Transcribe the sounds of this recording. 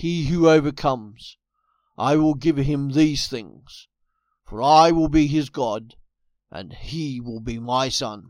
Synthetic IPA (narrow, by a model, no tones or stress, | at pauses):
hiɦʉoʊvə˞kʰʌ̃mz̥ | ʔa̰ɪwɪlˠɡɪv̥ɪ̃mðiz̥θɪ̰̃ŋz̥ | fə˞aɪwɪlˠbiɪzɡɑd | ʔɨ̰̃niwɪlˠbimaɪsʌ̰̃n